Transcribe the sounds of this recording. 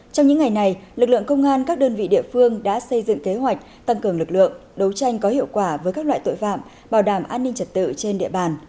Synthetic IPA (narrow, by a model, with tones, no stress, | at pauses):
t͡ɕɔ˧wŋ͡mɲɨ̰˧˥ŋːa˨˩jna˨˩jlɨ˨˩k̚lɨ̰˧˨ə˨ŋkə˧wŋ͡mʔaː˧nkaː˦˥k̚ɗəː˧nvḭ˧˨ɗḭ˧˨əfɨ˧əŋɗa̰ː˧˥sə˧jzɨ̰˧˨ŋke˨˦ɦwa˨˩jk̚t̪a˧ŋkɨ˨˩əŋlɨ˨˩k̚lɨ̰˧˨əŋɗə˨˦wt͡ɕa˧jŋ̟kɔ˨˦hḭ˧˨əwkwaː˧˩vəː˨˦jkaː˦˥k̚wa̰ː˧˨jt̪o̰˧˨jfa̰ː˧˨m | ɓaː˧˩wɗaː˧˩mʔaː˧nːï˧ŋ̟t͡ɕə˨˩t̚t̪ɨ̰˧˨t͡ɕe˧nɗḭ˧˨əɓaː˨˩n